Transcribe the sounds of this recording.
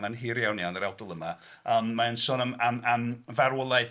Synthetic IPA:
nanɦiːɾjawnianəɾawdʊlˠəma | əːmːaənsʊːnəmamamvaɾwəlˠajθ

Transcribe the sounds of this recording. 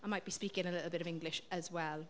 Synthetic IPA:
aɪmaɪʔ̚b̥ispiˑkɪ̃ŋəlɪʔl̩ˠbɪɾəvɪ̃ŋɡlɪʃəzwɛlˠ

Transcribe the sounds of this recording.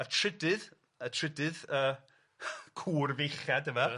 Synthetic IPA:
atʰrɪdɨð | ətʰrɪdɨðəː | kʰuːrvɪjχjadəva

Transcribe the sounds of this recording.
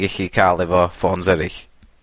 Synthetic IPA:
ɡɪɬikʰaːlˠɛvɔfɔːnsɛɾɪɬ

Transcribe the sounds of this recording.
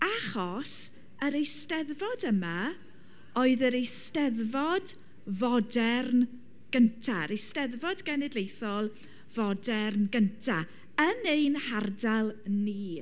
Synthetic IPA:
aχɔs | əɾejstɛðvɔdəma | ɔɨðəɾejstɛðvɔd | vɔdɛrn | ɡ̥əntʰaɾejstɛðvɔdɡɛnɪdlejθɔlˠ | vɔdɛrnɡəntʰa | ənejnhardalˠniː

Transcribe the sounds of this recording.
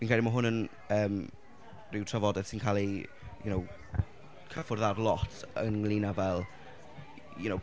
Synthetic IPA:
viːnkʰrɛlimaɦʊnən | əːm | rɪwtʰrəvɔdɛðsinkʰalˠi | jʊ̰now | kʰəfʊrðadlˠɔtʰə̰nlˠinavɛlˠ | jʊnow

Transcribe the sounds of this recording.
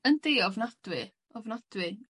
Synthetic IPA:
əndeːɔvnad̥wɪ | ɔvnad̥wɪ

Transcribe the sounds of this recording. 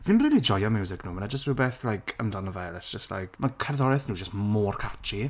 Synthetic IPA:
vinriːlˠid͡ʒɔjɔmjuːzɪkʰnuːmənad͡ʒəstrɪwbeːθlajkʰə̰mdɔnəvɛlˠɛsd͡ʒ̥əstla̰jkʰmakʰɛrðɔɾɛθnuːd͡ʒəstmoːrkʰat͡ʃi

